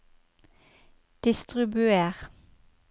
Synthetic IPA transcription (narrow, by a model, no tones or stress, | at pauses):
d̪̥ɪst̪ʁɪbʉeːʁ